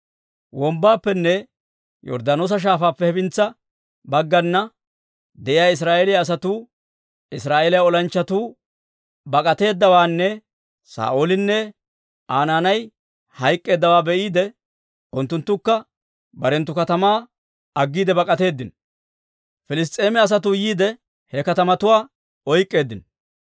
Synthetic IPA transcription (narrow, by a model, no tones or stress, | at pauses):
wɔmbaːpːɛnːɛ | jɔ̰ɾd̪aːnoːs̬ɐʃ̬aːfaːpːɛhɛbɪnt͡sːɐ | bɐɡːɐnːɐ | d̪ɛʔɪjaːɪs̬ɾaːʔelɪjaːs̬ɐt̪uː | ɪsɾaːʔeːlɪjaɔlɐnt͡ʃːɐt̪uː | bɐkʼɐt̪e̞ːd̪ːɐwaːnːɛ | sa̰ːʔolɪnːɛ | ʔaːnaːnɐj | hɐjkʼːe̞ːd̪ːɐwaːbɛʔiːd̪ɛ | ʊnt̪ːʊnt̪ːʊkːɐ | bɐɾɛnt̪ːʊkɐt̪ɐmaː | ɐɡːiːd̪ɛbɐkʼɐt̪e̞ːd̪ːɪn | fɪlɪs̬t̪ʼːe̞ːmɛɐs̬ɐt̪uːjiːd̪ɛ | hɛkɐt̪ɐmɐt̪ʊwaː | ɔjkʼːe̞ːd̪ːɪn